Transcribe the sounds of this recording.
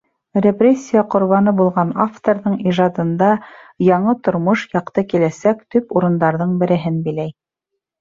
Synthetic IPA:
rʲeprʲesʲːijaqŏɾβɑnɤbulˠʁɑnaft̪oɾðɤɴiʒɑd̪ɤ̆nd̪ɑjɑɴɤt̪ŏɾmoʃjɑqt̪ɤkilæsækt̪ɵpuɾɤ̆nd̪ɑɾðɤɴbɘ̆ɾɘ̆ɦɘnbilæj

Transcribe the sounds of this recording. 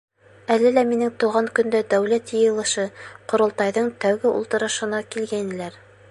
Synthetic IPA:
ælɘlæminɘŋt̪uʁɑŋkɵ̆nd̪æd̪æwlæt̪jɤ̆jɤ̆lˠɤ̆ʃɤqŏɾŏlˠt̪ɑjðɤɴt̪æwɡɘʔṵlˠt̪ɤ̆ɾɤ̆ʃɤ̆nɑkilɡæinɘ̆læɾ

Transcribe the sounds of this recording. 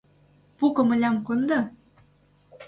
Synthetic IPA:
pukɤ̆mɤ̆lʲɑmkɤnd̪ɤ̆

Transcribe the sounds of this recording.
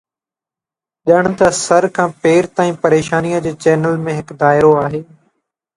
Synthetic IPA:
ʄəɽ̃t̪ɐsɐɾkʰãːpeːɾt̪aːĩːpɐɾeːʃaːnijəd͡ʑeːt͡ɕɛːnəlmẽɦɪkd̪aːɪɾoaːɦeː

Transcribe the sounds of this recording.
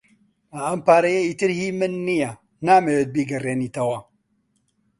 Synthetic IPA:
mɐɐmpaːɾɐjeiːt̪ɨɾhiːmɨnːijɐ | naːmewet̪̚biɡɐreːniːt̪ɐwɐ

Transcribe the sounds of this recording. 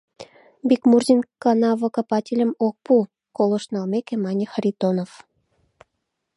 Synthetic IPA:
bʲikmurzʲinkɑnɑvɤ̆kɑpɑtʲilʲə̆mok̚pu | kolˠŏʃnɑlmekĕmɑnʲixrʲit̪onof

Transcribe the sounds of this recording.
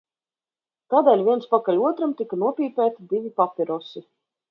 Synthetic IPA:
t̪aːd̪ɛːlʲvʲiɛnspakalʲuɔt̪ɾamt̪ikanuɔpʲiːpʲæːt̪id̪ivʲipapʲiɾɔsi

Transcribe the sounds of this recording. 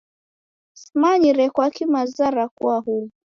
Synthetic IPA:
smaɲiɾɛkwakimazaɾakuahuu

